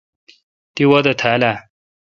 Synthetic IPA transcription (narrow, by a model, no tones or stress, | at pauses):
t̪iwɐd̪ɐt̪ʰala